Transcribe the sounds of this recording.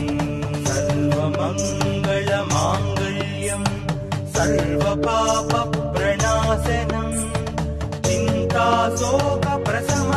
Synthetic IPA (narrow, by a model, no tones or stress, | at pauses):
sɐɾʋɐmɐŋɡɐɭɐmaːŋɡɐɭ | jɐm | sɐɾʋɐpaːpɐpɾɐɳaːsɐnɐm | t͡ʃɪnt̪aːsoːkɐpɾɐsɐmɐ